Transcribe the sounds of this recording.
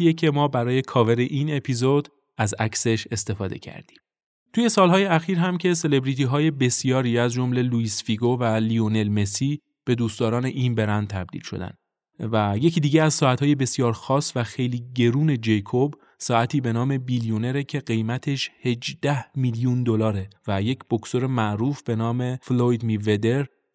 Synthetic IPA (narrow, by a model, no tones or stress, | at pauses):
ijecʰe̞mɒːbæɾɒːje̞kʰɒːve̞ɾe̞ʔiːne̞pʰizo̞d̪̥ | æzæcse̞ʃe̞st̪e̞fɒːd̪e̞̰cʰæ̰ɾd̪̥i̥ːm | t̪uːje̞sɒːlɦɒːjeæxiːɾɦæmcʰe̞se̞le̞bɾit̪iɦɒːje̞be̞sijɒːɾiːæzd͡ʒo̞mle̞luisfiɡovælione̞lme̞siː | b̥e̞d̪uːst̪ɒːɾɒːneʔinbe̞ɾænd̪̚t̪ʰæb̚d̪ḭːlʃo̞̰d̪æ̰n | væje̞cʰiːd̪iːɟeæzsɒːæt̪hɒːje̞be̞sjɒːɾxɒːsvæxe̞jliːɟe̞ɾuːne̞d͡ʒejkʰob | sɒːæt̪ʰiːbe̞nɒːme̞bilijone̞ɾecʰe̞ɢe̞jmæt̪ʰe̞ʃhe̞d͡ʒd̪æhmiljund̪o̞lɒːɾe̞væje̞cʰb̥o̞kso̞ɾe̞mæʔɾuːfb̥e̞nɒːme̞flojd̪mive̞d̪e̞ɾ